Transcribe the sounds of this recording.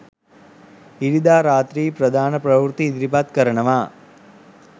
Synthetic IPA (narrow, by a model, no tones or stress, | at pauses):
iɽid̪aːɾaːt̪ɾiːpɾɐd̪ʱaːnɐpɾɐʋɾut̪iːd̪ɾipaːt̪kɐɾɐɳɐʋaː